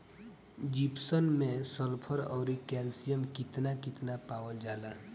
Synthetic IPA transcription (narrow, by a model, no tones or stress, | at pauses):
d͡ʒipsənmẽsəlpʰəɾɔːɾikɛːlsijəmkɪt̪nakɪt̪napaːwəld͡ʒaːla